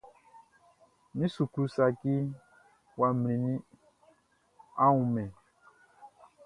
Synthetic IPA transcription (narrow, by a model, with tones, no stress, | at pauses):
mĩ˦su˨kɾu˨˦sa˨ki˦ | wa˨m˨ĩ˨nĩ˦ | ã˦wũ˨mɛ̃˨